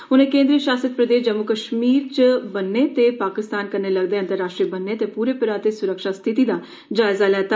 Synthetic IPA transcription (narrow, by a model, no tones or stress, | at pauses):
ʊnẽːkẽːnd̪ɾiːəʃaːsət̪pɾəd̪eːʃd͡ʒəmːʊkəʃmiːɾt͡ʃəbənːeːt̪epaːkɪst̪aːnkəneːləɡd̪eːənt̪əɾːaːʃʈɾiːbənːet̪eːpuːɾeːpɪɾaːt̪eːsʊɾəkʃaːst̪ʰɪt̪iːd̪aː | d͡ʒaːɪzaːlɛːt̪a